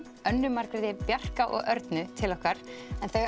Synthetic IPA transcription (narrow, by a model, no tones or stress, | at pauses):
œnːʏmaɾ̥kɾɪðɪpjar̥kaʔɔ̰ɣœɾt̪nʏt̪ʰɪlɔhkaɾ̥ɛnθɛɣ